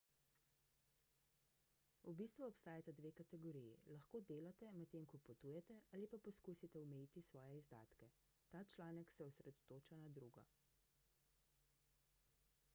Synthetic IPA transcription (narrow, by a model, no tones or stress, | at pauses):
ubist̪ʋuɔpst̪aːjat̪ad̪ʋeːkat̪ɛɡɔɾijilɐxkoːd̪eːlat̪ɛmɛt̪eːmkɔpɔt̪uːjɛt̪ɛʔaːlipapɔskuːsit̪ɛɔmɛjiːt̪isʋɔːjɛizd̪a̰ːt̪kɛ | t̪aːt͡ʃlaːnɛksɛɔsɾɛd̪ɔt̪oːt͡ʃanad̪ɾuːɡɔ̰